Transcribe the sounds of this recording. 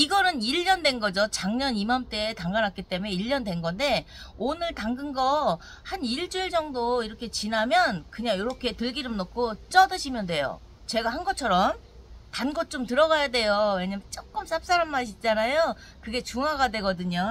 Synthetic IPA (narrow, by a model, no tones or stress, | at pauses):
iɡʌnɯniʎːʌndwe̞nɡʌd͡ʑot͡ɕaŋɲʌnimamt͈etaŋɡanɦat̚k͈it͈e̞mue̞iʎːʌndwe̞nɡʌnde̞ | onɯɭtaŋɡɯnɡʌ | haniɭd͡ʑuɭd͡ʑʌŋdoiɾʌkʰe̞t͡ɕinamjʌnkɯɲaŋjoɾʌkʰe̞tɯɭɡiɾɯmnokʰot͡ɕ͈ʌdɯɕʰimjʌndwe̞jo̰ | t͡ɕe̞ɡahanɡʌt͡ɕʰʌɾʌm | tanɡʌt̚t͡ɕ͈omtɯɾʌɡajade̞jowe̞ɲamt͡ɕ͈ok͈ɯms͈ap̚s͈aɾamːaɕʰit̚t͡ɕ͈anajo | kɯɡe̞t͡ɕuŋaɡadwe̞ɡʌdɯɲo